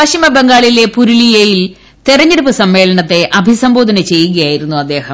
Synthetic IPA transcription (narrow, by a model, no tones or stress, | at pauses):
ʋɐʂimɐbeŋɡaːɭile̞puɾulijejil | t̪irɐɲːeɽupːɨsɐmːe̞ːlɐɳɐt̪ːe̞ʔɐbʱisɐmbo̞ːd̪ʱɐnɐt͡ɕe̞jːuɣɐjaːjiɾunːuɐd̪ːe̞ːhɐm